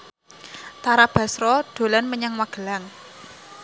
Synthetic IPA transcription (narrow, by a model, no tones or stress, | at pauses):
t̪aɾab̥ä̤sɾɔɖ̥o̤lanməɲaŋwaɡ̥ə̤laŋ